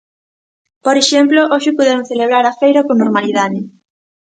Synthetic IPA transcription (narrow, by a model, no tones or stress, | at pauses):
poɾeʃemploʔoʃɪpuðemʊŋθeleβ̞ɾaɾafejɾakoŋnoɾmaliðaðɪ